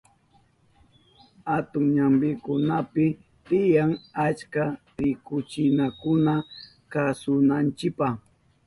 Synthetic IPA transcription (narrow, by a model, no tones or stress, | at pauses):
hat̪ʊŋɲambɪkʊnapɪ | t̪ɪjaŋat͡ʃka | ɾɪkʊt͡ʃɪnakʊna | kasʊnant͡ʃɪpaχ